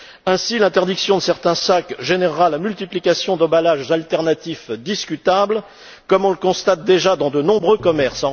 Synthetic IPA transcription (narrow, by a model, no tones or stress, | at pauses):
ɛ̃silɛ̃t̪ɛʁd̪iksjɔ̃d̪əsɛʁt̪ɛ̃sakʒenɛʁːalamylt̪iplikʲasjɔ̃d̪ɔ̃balaʒzalt̪ɛʁnat̪ifd̪iskʲyt̪abl | kɔmɔ̃ləkɔ̃st̪at̪̚d̪eʒad̪ɑ̃d̪ənɔ̃bʁøkɔmɛʁsɑ̃